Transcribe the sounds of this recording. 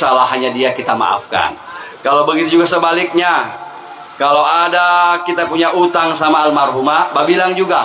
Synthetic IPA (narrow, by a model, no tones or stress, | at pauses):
salahɦaɲadiakit̪ama̰ʔa̰fka̰n | kalawbəɡit̪ud͡ʒuɡasəbalɪk̚ɲa | kalowadakit̪apuɲaʔut̪aŋsamaːlmarɦumababilaŋd͡ʒuɡa